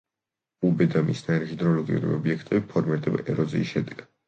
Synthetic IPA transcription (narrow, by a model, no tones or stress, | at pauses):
ubɛd̪amisnaiɾiχid̪ɾɔlɔɡiṵɾḭɔ̰biɛkʰt̪ʼɛbipʰɔɾmiɾd̪ʼɛba̰ʔɛɾɔzḭːsʃɛd̪ɛɡ̥ad̪̥